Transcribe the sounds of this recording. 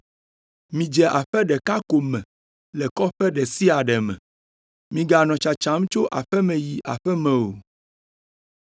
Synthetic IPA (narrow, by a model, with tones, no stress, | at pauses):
mĩ˦d͡ʒɛ˨ʔa˨ɸɛ˦ɖɛ˨ka˦ko˨mɛ̃˨ | lɛ˨kɔ˦ɸɛ˦ɖɛ˨si˦a˨ɖɛ˨mɛ̰̃˨ | mĩ˨ɡa˨nɔ̃˨t͡ʃa˨t͡ʃa˨˦m˦t͡ʃo˦ʔa˨ɸɛ˦mɛ̃˨ji˨ʔa̰˨ɸɛ˦mɛ̃˨wo˨